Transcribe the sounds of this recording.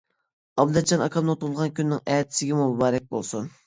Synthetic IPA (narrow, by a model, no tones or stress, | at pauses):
ɑbd̪ɛd͡ʒɑnɑkʰɑmnɨt̪uɾlˠʁɑnkʲynːɪŋɛːt̪ʰɪ̥sɪɡʲɪmumubɑːɾɛk̚ʲbolˠsun